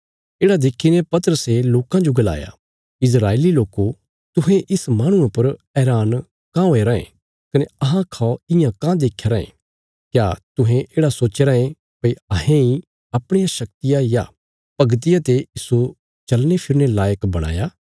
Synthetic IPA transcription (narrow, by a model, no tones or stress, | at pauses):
eːɽad̪eːkʰːinepɐt̪əɾəseloːkãd͡ʒoɡɐla̰ːja̰ | ɪs̬ɾaːeːliloːko | t̪ʊɦẽʔɪsmaːɽ̃ʊ̃ãpɐɾ | ɛːɾaːn | kãõːeɾɐḛ̃ | kɐneɐɦãkʰaːoɪjãkãd̪eːkʰeɾɐḛ̃ | kjaːt̪ʊɦẽʔeːɽasoːt͡ʃeɾaẽ | pɐiɐɦẽi | ɐpɽ̃ɪjãʃɐk̚t̪ɪjaja̰ | pɐɡt̪̬ɪjat̪ejiːsu | t͡ʃɐlnepʰɪɾnelaːjəkbɐɽ̃a̰ːjaː